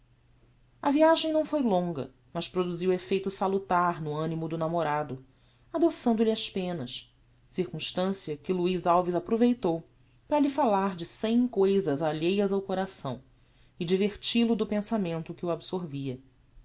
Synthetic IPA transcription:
ɐviaʒẽj̃nɐ̃w̃fojlõŋɡɐ̰ | mɐʃpɾod̪uziwefejt̪ʊsalut̪aɾnʊɐ̃nimʊd̪ʊnamoɾad̪ʊ | ad̪osɐ̃nd̪ʊliɐʃpẽnɐs | siɾkũʃt̪ɐ̃siɐkɪluizawvizapɾovejt̪ow | pɾɐʎifalaɾd͡ʒɪsẽj̃kojzɐzaʎejɐzawkoɾasɐ̰̃w̃ | ɪd͡ʒiveɾt͡ʃilʊd̪ʊpẽsamẽnt̪ʊkɪuabsoɾviɐ

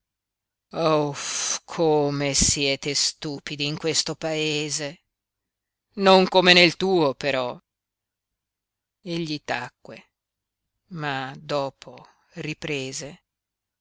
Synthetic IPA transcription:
ofkʰomesjɛːt̪est̪uːpid̪iːŋkwest̪opaeːze | noŋkomenelt̪uːopeɾɔ | eʎːit̪akːwḛ | mad̪ɔːpʰo | ripɾeːze

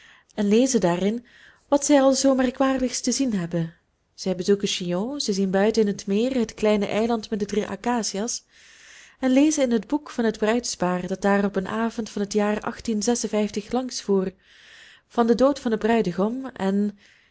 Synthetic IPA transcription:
ɛnleːzədaːrɪn | ʋɑtsɛjɑlˠzoːmɛrkʋaːrdəxstəzinɦɛbən | z̥ɛjbəzukəʃijoːzɛzinbœɥtənɪnɦətmɪːrɦətklɛjnə̰ʔɛjlɑntmɛt̚dədriʔa̰kaːsias | ɛnleːzənɪnɦədbukfɑnɦədbrœɥtspaːrdɑd̥aːrɔpənʔaːvɔntfɑnɦətjaːrɑ̰xtinzɛsənvɛjftəxlɑŋsfuːr | v̥ɑndədoːtfɑnəbrœɥdəɣɔmɛn

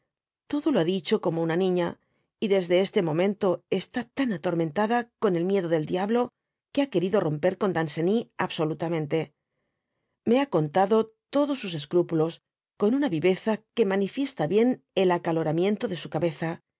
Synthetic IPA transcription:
t̪o̞ðo̞loaðit͡ʃo̞ko̞mo̞unanĩɲa | iðe̞zðe̞est̪e̞mo̞mẽ̞nt̪o̞e̞st̪at̪anat̪o̞ɾmẽ̞nt̪aðako̞ne̞lmje̞ðo̞ðe̞ld̪jaβlo̞ | keake̞ɾiðo̞ro̞mpe̞ɾko̞nd̪anse̞niaβso̞lut̪amẽ̞nt̪e̞ | me̞ako̞nt̪aðo̞t̪o̞ðo̞sːuse̞skɾupulo̞s | ko̞nunaβiβe̞θake̞manifje̞st̪aβje̞n | e̞lakalo̞ɾamjẽ̞nt̪o̞ðe̞sukaβe̞θa

